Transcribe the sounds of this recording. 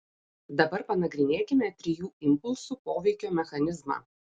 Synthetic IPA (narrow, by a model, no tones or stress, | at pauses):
d̪ɐbɐɾpɐnɐɡɾʲɪnʲeːkʲɪmʲɛt̪ʲɾʲɪjuːɪmpʊlʲˠsuːpoːʋʲɛɪkʲoːmʲɛxɐnʲɪzmɑ̰ː